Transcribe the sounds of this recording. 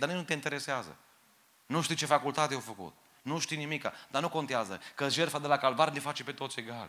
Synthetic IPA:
d̪anijnut̪eint̪eɾe̞seazə̰ | nuʃt̪ijt͡ʃe̞fakult̪at̪ejawfəkṵt̪̚ | nuʃt̪ijnimika̰d̪anuko̞nt̪eazə̰kəʒerfad̪elakalvaɾnefat͡ʃepet̪o̞t̪se̞ɡal

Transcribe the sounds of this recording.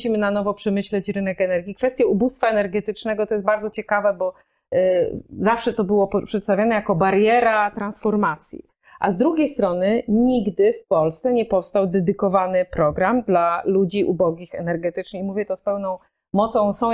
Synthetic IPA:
ɕimɘnanɔvɔpʂɛmɘɕlɛt͡ɕɾɘnɛkɛnɛɾɡʲikfɛst̪ʲjaubust̪faɛnɛɾɡɛt̪ɘt͡ʂnɛɡɔt̪ɔjɛst̪baɾd̪zɔt͡ɕɛkavɛbɔ | zafʂɛt̪ɔbɘwɔpʂɛt̪st̪avjanɛjakɔbaɾjɛɾat̪ɾansfɔɾmat̪sʲjḭ | ʔa̰zd̪ɾuɡʲjejst̪ɾɔnɘɲiɡd̪ɘfpɔlst̪sɛɲɛpɔfst̪awd̪ɛd̪ɘkɔvanɘpɾɔɡɾamd̪lalud͡ʑiʔṵbɔɡʲixɛnɛɾɡɛt̪ɘt͡ʂnɘximuvʲjɛt̪ɔspɛwnɔ̃w̃ | mɔt̪sɔ̃w̃sɔ̃w̃

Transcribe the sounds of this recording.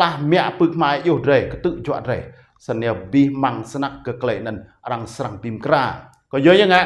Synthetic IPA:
lahmɛ̆əʔpɨːkʰmajohrɛːhkt̪ɨʔt͡ɕoaʔrɛːh | saniəbihmaŋsnak̚ɡəkleːʔnɨnʔraŋsraŋpimkraː | kɔjəːjaːŋa

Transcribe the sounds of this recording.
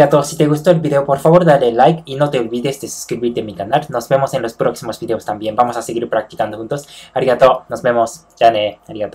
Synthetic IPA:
at̪osit̪e̞ɣust̪oelβiðe̞opoɾfaβo̞ɾðalelːajkino̞t̪e̞olβiðe̞sd̪e̞su̥skɾiβiɾt̪emikanalno̞zbe̞mo̞se̞nlo̞spɾoksimo̞zbiðe̞ost̪ambje̞mbamo̞sase̞ɣiɾpɾak̚t̪i̥kand̪o̞xunt̪o̞saɾiɣat̪o̞nosβe̞mo̞s | ʝaneaɾiɣat̪o

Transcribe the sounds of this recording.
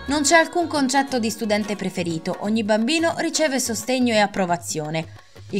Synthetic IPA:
nont͡ʃɛalkuŋkont͡ʃɛt̪ːod̪ist̪ud̪ɛnt̪epɾefeɾiːt̪oʔoɲːibambiːnoɾit͡ʃɛːvesost̪eɲːoeapːɾovat̪sːjoːne | i

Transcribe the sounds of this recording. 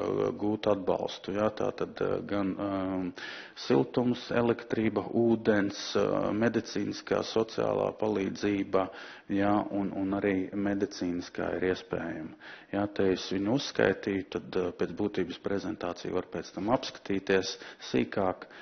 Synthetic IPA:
ɡuːt̪ad̪ba̰lˠst̪ujat̪a̰ːt̪ad̪ɡan | silˠt̪umsɛ̰lˠɛkt̪ɾiːbɐʔuːd̪ɛnsmʲɛd̪it̪siːniska̰ːsɔt̪sia̰ːlˠa̰ːpalˠiːd̪ziːba | jaununaɾiːmed̪it̪siːniska̰ːḭɾiɛspɛːjamjaːt̪ɛɛsʋiɲusːka̰jt̪iːjʊt̪ad̪pʲɛːt̪sbuːt̪iːbəspɾɛzɛnt̪aːt̪sḭj̰ʋaɾpʲɛːt̪st̪amapskḁt̪iːt̪iɛsːiːkaːk

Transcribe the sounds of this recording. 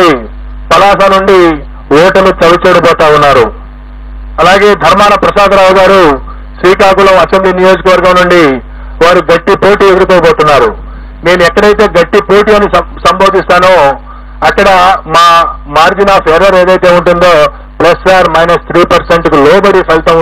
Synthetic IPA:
i | pɐlaːsaːnuɳɖi | wɔːʈɐlut͡ʃɐlɐt͡ʃɛːɽɐpɔːt̪aːunːaːɾu | ɐlaːɡe̞ːd̪ʱɐɾmaːnɐpɾɐʃaːkɾaːwɡaːɾu | sɾiːkaːkulɐmɐsembliːnijoːd͡ʒɐkɐʋɐɾɡɐmnuɳɖi | ʋaːɾuɡɐʈːipoːʈiːed̪uɾikɔːboːt̪unːaːɾu | ne̞ːnuɛkːɐɽɐjt̪e̞ːɡɐʈːipoːʈiːɐnisɐmboːd̪ist̪aːnu | ɐkːɐɽɐmaːmaːɾd͡ʒinaːpʰeːɾɐɾe̞ːd̪ɐjt̪e̞ːuɳʈund̪o̞ː | plɐsaːɾmɐjnɐst̪ʰɾiːpɐɾseɳʈkulɔːbɐɽipʰɐlt̪ɐm

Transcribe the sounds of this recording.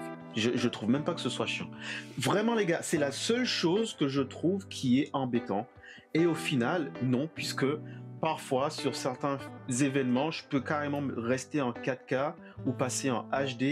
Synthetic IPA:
ʒəʒət̪χuvmɛ̃mpakə̥səswaʃjɑ̰̃vʁɛmɑ̃leɡasɛlasœlʃozkəʒət̪χuvkʲʰiɛɑ̃bet̪ɑ̃ | eofinalnɔ̃pɥiskəpaʁfwasyʁsɛʁt̪ɛ̃zevɛnmɑ̃ʒəpøkaʁemɑ̃ʁɛst̪eɑ̃kat̪ka | upaseɑ̃ʔaʃd̪e

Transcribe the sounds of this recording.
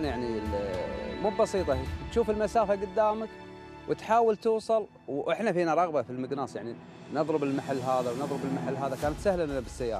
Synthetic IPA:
njaʕnilmuːbbɑsiːt̪ˤɑt̪ʃuːfɪlmasaːfaɡʊd̪ːaːmak | wʔɪt̪ħaːwalt̪uːsˤɑl | wʔɪħnafiːnaɾˤɑɣbafilmɪɡnaːsjaʕni | nɨðˤɾɨbɪlmaħalːɦaːðawnɨðˤɾɨbɪlmaħalːɦaːðakaːnat̪sahlamnabɪsːajːa̰ːɾˤ

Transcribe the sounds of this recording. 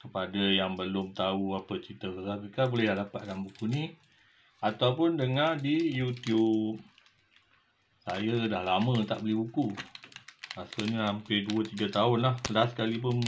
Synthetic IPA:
kəpadajaŋbəlʊmt̪auapət͡ʃit̪əsəsapikabolɛhadapaʔdambukuni | at̪awpʊndəŋadijut̪jup̚ | sajədahlamə̃t̪a̰ʔbəlihbuku | lasoɲəɦampɪduət̪iɡat̪aʊnlahlaskalip̬ʊn

